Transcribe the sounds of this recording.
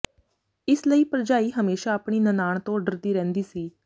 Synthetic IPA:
ɪsləiːpəɾd͡ʒaːiːɦəmeːʃaːpɳ̃iːnənaːɳ̃t̪õːəɖəɾd̪iːɾɛ̃ːnd̪iːsiː

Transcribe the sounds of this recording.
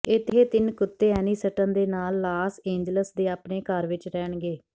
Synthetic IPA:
ɪt̪ʰeːt̪ɪnkʊt̪ːeːɛːniːsəʈə̃nd̪eːnaːlːaːsẽːɲd͡ʒləsd̪eːaːpɳeːkəɾʋɪt͡ʃɾɛːɳɡeː

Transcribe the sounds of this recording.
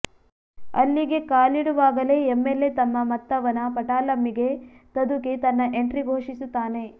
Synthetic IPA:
ɐ̰lːiɡe̞kaːliɽuʋaːɡɐle̞emːelːe̞t̪ɐmːɐmɐt̪ːɐʋɐnɐpɐʈaːlɐmːiɡe̞t̪ɐd̪ukit̪ɐnːɐʔeɳʈɾiɡʱoːʂisut̪ːaːne̞

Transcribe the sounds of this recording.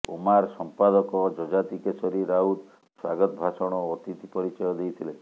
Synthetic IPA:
ṵmaɾsɔmpad̪ɔkɔd͡ʒɔd͡ʒat̪ikesɔɾiɾaud̪ | swa̰ɡɔt̪ɔbʱasɔɽ̃ɔːt̪it̪ipɔɾit͡ʃɔjɔd̪ejt̪ʰile

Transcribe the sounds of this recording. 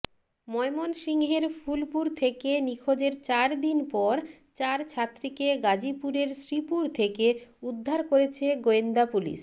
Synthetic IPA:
mɔemonʃiŋɦeɾfʰulpuɾt̪ʰekenikʰod͡ʑeɾt͡ɕaɾd̪inpɔɾ | t͡ɕaɾt͡ɕʰat̪ːɾikeɡad͡ʑipuɾeɾsɾipuɾt̪ʰekeud̪ʱːaɾkoɾet͡ɕʰeɡoend̪apulḭʃ

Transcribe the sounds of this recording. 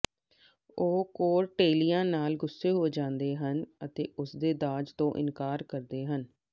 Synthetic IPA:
oːkoːɾʈeːlijãːnaːlɡʊsːeːɦoeːd͡ʒãːnd̪eːɦənət̪eːʊsd̪eːd̪aːd͡ʒt̪õːʔɪ̰nkaːɾkəɾd̪eːɦən

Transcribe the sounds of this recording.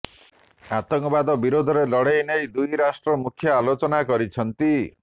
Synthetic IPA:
at̪ɔŋkɔbad̪ɔbiɾod̪ʱɔɾelɔɽejnejd̪ujɾasʈɾɔmukʰjɔalot͡ʃɔnakɔɾit͡ʃʰɔnt̪i

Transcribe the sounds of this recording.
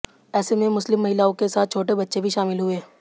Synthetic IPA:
ɛːsemẽmʊslɪmːɐɦɪlaːõkesaːt̪̚ʰt͡ʃʰoːʈebɐtːʃebʱiʃaːmɪlɦʊeː

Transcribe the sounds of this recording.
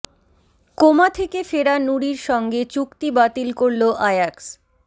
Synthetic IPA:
komat̪ʰekefeɾanuɽiɾʃɔŋɡet͡ɕukt̪ibat̪ilkoɾloʔajaks

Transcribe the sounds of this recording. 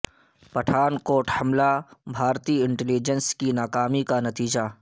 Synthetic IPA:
pɐʈʰaːnkoːʈhɐmlabʱaːɾt̪iːɪɳʈɛlid͡ʒənskinaːkaːmikanɐt̪iːd͡ʒa

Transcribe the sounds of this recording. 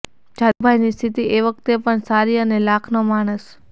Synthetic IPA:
d͡ʒabʱajnist̪ʰit̪iʔeʋək̚t̪epəɳsaɾiənelakʰnomaɽ̃əs

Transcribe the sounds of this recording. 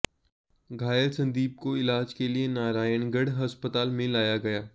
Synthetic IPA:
ɡʱaːjəɾsɐ̃nd̪iːb̚koɪlaːd͡ʒkelienaːɾaːjəɳɡɐɽɦɐspət̪aːlmẽlaːjaɡɐjaː

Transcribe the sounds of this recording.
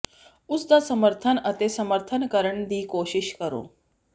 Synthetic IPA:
ʊsd̪aːsəməɾt̪ʰənət̪eːsəməɾt̪ʰənkəɾəɳ̃d̪iːkoːʃɪʃkəɾo̰ː

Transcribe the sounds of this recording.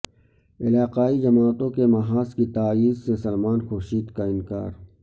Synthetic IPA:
ɪlaːqaːid͡ʒɐmaːt̪õkemɐɦaːskit̪aːiːzsẽsɐlmaːnxoːʃiːd̪kaɪnka̰ːɾ

